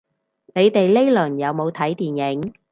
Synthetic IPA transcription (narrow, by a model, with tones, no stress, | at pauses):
ne˨˧jt̪e˨jle˥jlɵ˨˩njɐ˨˧wmo˨˧wt̪ʰɐ˨˥jt̪iː˨njɪ˨˥ŋ